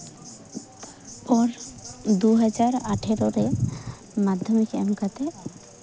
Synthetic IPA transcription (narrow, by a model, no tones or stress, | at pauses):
pɔɾd̪uɦɛd͡ʒaɾaʈʰeɾɔɾe | mad̪ʱjɔmikɛ̰mkat̪e